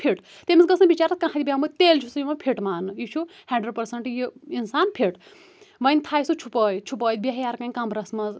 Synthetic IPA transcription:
pʰiʈ | t̪emʲisɡɐsnɐbit͡ʃaːɾɐt̪kãɦat̪ʲibʲaɦmɐt̪ʲt̪eːlt͡ʃʰusɨjimɐpʰiʈmaːnɨjit͡ʃʰuhɛ̃ːɳɖɐɾpɐɾsɐɳʈjiinsaːnpʰiʈ | ʋɐnʲt̪ʰaːjsut͡ʃʰupɐːjt͡ʃʰupəːt̪̚bʲeɦjaːɾkãːnʲkɐmbɾɐsmɐz

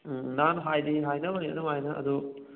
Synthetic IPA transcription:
nanɦajdiɦajnɐmaniɐ̰nɐmajnɐʔɐ̰d̪u

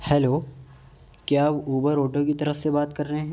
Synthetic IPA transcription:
hɛːloː | kjaːbuːbəɾoːʈõkit̪ɐɾəfsebaːt̪kɐɾːɐɦẽɦɛ̃ː

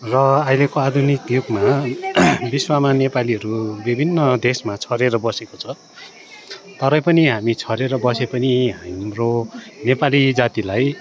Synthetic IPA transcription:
rʌajlekoad̪ʱunikjuɡma | biswamanepaliɦʌɾubibʱinːʌd̪esmat͡sʰʌɾeɾʌbʌsekot͡sʰʌ | t̪ʌɾʌjpʌniɦamit͡sʰʌɾeɾʌbʌsepʌniɦamronepalid͡zat̪ilaj

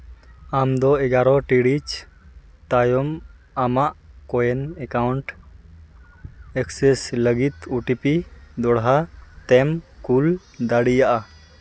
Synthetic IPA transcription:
amd̪ɔɛɡaɾɔʈiɽit͡ʃ | t̪ajɔm | amaʔkɔjɛnɛkawɳʈ | ɛksɛsləɡit̪uʈipid̪ɔɽɦat̪ɛmkul | d̪aɽijaʔa

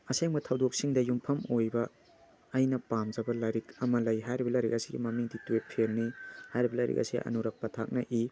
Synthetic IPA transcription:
ɐseŋbɐtʰɐwdok̚siŋdɐjumpʰɐmojbɐː | jnɐpamd͡ʒɐbɐlaɾikɐmɐlɐjɦajɾibɐlɐjɾḭk̚ɐsiɡḭmɐmiŋdituwep̚pʰelnihajɾibɐlɐjɾḭkɐ̰sḭʔɐ̰nuɾɐk̚pɐtʰak̚nɐʔi

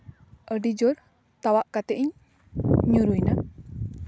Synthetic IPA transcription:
ʔədid͡ʒoɾ | t̪awaʔkat̪eʔiɲ | ɲuɾujna

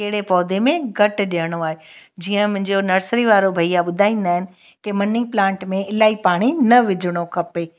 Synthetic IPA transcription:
keɦɪɽepɔːd̪ʱemẽɡɐʈɗijəɽ̃oaːɦed͡ʑiːə̃mʊ̃ɦɪ̃ɲd͡ʑonɐɾsɾiʋaːɾobʱɐijaɓʊd̪ʱaːĩːn̆d̪aːɦɪnɪ̆ | kemɐnɪ̃ɡ̚plãːɳʈmẽɪlaːipaːɽ̃inɐʋɪd͡ʑʱɽ̃okʰɐpeː

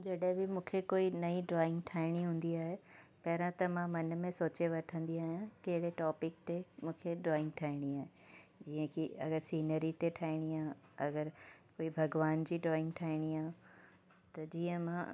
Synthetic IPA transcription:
d͡ʑɐɗɦɪ̃bɪmũːkʰekoːinɐiɖɾɔːɪ̃ŋɡʈʰaːɪɽ̃iɦũːn̆d̪iaːɦepɐɦɾãt̪ɐmãmɐnmẽsoːt͡ɕeʋɐʈʰə̃nd̪iaːɦijãkɐɦɪɽeʈɔːpɪk̚t̪emũːkʰeɖɾɔːɪ̃ŋɡ̚ʈʰaːɪɽ̃iaːɦe | d͡ʑiːə̃kʰiɐɡəɾsiːnəɾit̪eʈʰaːɪɽ̃iaːɦ | ɐɡəɾkoːibʱɐɡʋaːnd͡ʑiːɖɾɔːɪ̃ŋɡʈʰaːɪɽ̃iãː | t̪ɐd͡ʑiːə̃mã

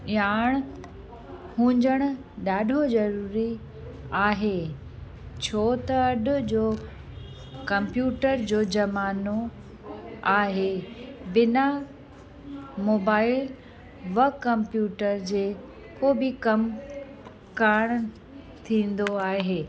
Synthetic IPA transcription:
aːɽ̃ | hũːɲd͡ʑəɽ̃ʊ̆ | ɗaːɖʱozɐɾuːɾi | aːɦeː | t͡ɕʰoːt̪ɐɐɗʊ̆d͡ʑoː | kɐ̃mpjuːʈəɾd͡ʑoːd͡ʑɐmaːno | aːɦebɪna | moːbaːɪl | ʋɐkɐ̃mpjuːʈəɾd͡ʑeː | koːbɪkɐm | kaːɽ̃ | t̪ʰĩːn̆d̪oaːɦeː

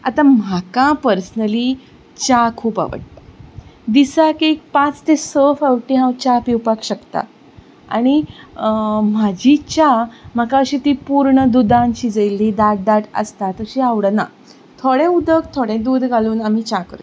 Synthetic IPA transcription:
a̰t̪ãm̤akãpəɾsənəli | t͡ɕakʰuːpa̰ʋə̰ʈt̪ad̪isakek̚pãt͡st̪esəfəwʈiɦãwt͡ɕapiwpakɕəkt̪a̰ | a̰ɽ̃i | m̤ad͡ʑʱit͡ɕam̤əkãəɕiːt̪iːpuɾɳəd̪ud̪ãnt͡ɕiːd͡zəjlːiːd̪aʈ̚d̪aʈə̰st̪at̪əɾɕiaʋɽəna̰ | t̪ʰoɽẽud̪əkt̪ʰoɽẽd̪uːd̪ɡʱaluːnam̤it͡ɕakə̰ɾt̪

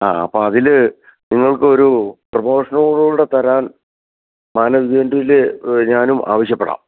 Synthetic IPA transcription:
a̰ːɐpːoːɐðil | niŋːɐɭkɨo̞ɾuprɐmo̞ːʂɐnɐɽuuɽet̪ɐɾaːn | maːnɐʋiðeɐnduilɲaːnumʔa̰ːʋɐɕjɐpːeɽa̰ːm

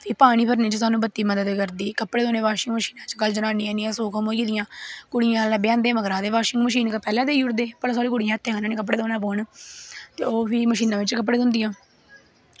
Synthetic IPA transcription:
pʰiːpaːɽ̃iːpʰəɾnĩːt͡ʃəsaːnũːbət̪ːiːməd̪əd̪kəɾd̪iːkəpːɽeːd̪oːneːʋaːʃɪŋɡməʃiːnãːt͡ʃkəld͡ʒənaːniːãːniːãːsuːkʰə̃ːmoːkiːd̪ɪjãːkʊɽɪjãːlãːbɪjãːnd̪eːməɡɾãːd̪eːʋaːʃɪŋɡməʃiːnkəpɛːlãːd̪eːʊɾd̪eːpəɾs̬aːɾiːkʊɽɪjãːt̪ʰːẽːɦanaːẽːkəp̬ːɽeːd̪oːnãːpoːɳt̪ḛːoːpʰiːməʃ̬iːnãːʋɪt͡ʃkəp̬ːɽeːd̪ʊ̃nd̪ɪjãː

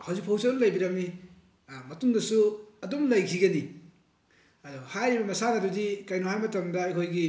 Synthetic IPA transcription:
hɐwzuk̚pʰawsalɐjbiɾɐmːi | mɐtumdɐsuɐdomlɐjkʰiɡɐni | ɐdɔhajɾibɐmɐsanɐdudikajnohajmɐtɐmdɐɐjkʰojɡi

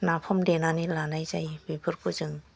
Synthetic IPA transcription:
napʰɔmdenanilanajzajbɯbʰɯɾkʰuzɯŋ

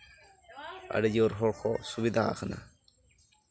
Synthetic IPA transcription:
a̰ɽɛd͡ʒiɔɾɦɔɽkʰɔsubid̪ʱaa̰kʰana̰

